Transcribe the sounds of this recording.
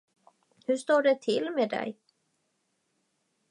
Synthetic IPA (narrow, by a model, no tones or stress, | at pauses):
hɵʂt̪oːɖɛt̪ʰɪlmed̪ɛ̰j